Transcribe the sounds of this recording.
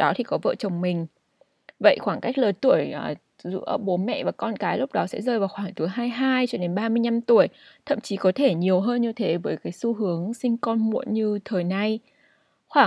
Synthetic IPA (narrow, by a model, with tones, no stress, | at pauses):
ɗɔ˨˦t̪ʰi˨˩kɔ˨˦və̰ː˧˨t͡ɕə˨˩wŋ͡mmï˨˩ŋ̟ | və̰˧˨jxwaː˧˩ŋka˦˥jk̟̚ləː˨˩jt̪u˧˩əjː | zɨ̰˧˥əɓo˨˦nmɛ̰˧˨vaː˨˩kɔ˧nkaː˨˦jlʊ˦˥k͡p̚ɗɔ˨˦sɛ̰˧˥zəː˧jvaː˨˩wxwaː˧˩ŋt̪ɨ˨˦jɦaː˧jɦaː˧jt͡ɕɔ˧ɗe˨˦nɓaː˧mɨ˧əjɲa˧mt̪u˧˩əjt̪ʰə̰˧˨mt͡ɕi˨˦kɔ˨˦t̪ʰe˧˩ɲi˨˩əwɦəː˧nɲɨ˧t̪ʰe˨˦vəː˨˦jkaː˨˦jsu˧ɦɨ˨˦əŋsï˧ŋ̟kɔ˧nmṵ˧˨ənɲɨ˧t̪ʰəː˨˩jna˧j | xwaː˧˩